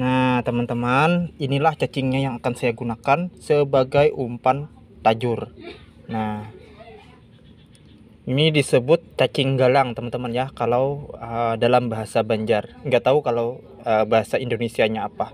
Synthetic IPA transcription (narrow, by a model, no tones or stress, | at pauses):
nat̪əmant̪əmaninilaht͡ʃat͡ʃɪŋɲajaŋakansajaɡunakansəbaɡajʔumpan | t̪ad͡ʒʊr | nah | inidisəbʊt̪̚t͡ʃat͡ʃɪŋɡalaŋt̪əmant̪əmanjakalawədalambaɦasabaɲd͡ʒarŋɡat̪aukalaw | əbaɦasaindonesiaɲaːpa